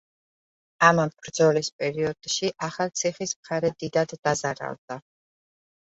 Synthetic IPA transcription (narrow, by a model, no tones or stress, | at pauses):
amamb̥ɾd̪zɔlispʼɛɾiɔd̪̥ʃiʔaχalt̪sʰiχismχaɾɛd̪id̪ad̪ːazaɾa̰lˠd̪̥a